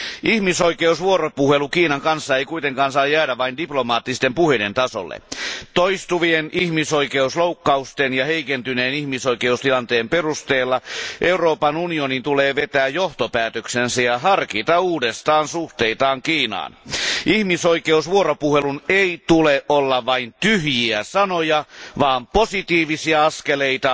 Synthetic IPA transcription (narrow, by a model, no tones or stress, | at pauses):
ʔihmisoikeusʋuoɾopuhelukiːnɑŋkɑnsːɑeikuit̪eŋkɑːnsɑːjæːdæʋɑindiplomɑːt̪ːist̪empuhedent̪ɑso̰lːḛt̪ojst̪uʋienihmisoikeuslowkːɑust̪enjɑhe̞ikent̪yneːnihmisoike̞ust̪ilɑnt̪eːmperust̪eːlːɑʔeuroːpɑnunionint̪uleːʋet̪æːjjoht̪opæːt̪øksensæjɑɦɑrkit̪ɑuːdest̪ɑːnsuht̪eit̪ɑːŋkiːnɑ̰ːnihmisoikeusʋuoɾopuheluneit̪uleʔʔolːɑʋɑint̪yɦjiæsɑnojɑʋɑːmposit̪iːʋisiɑɑskeleit̪ɑ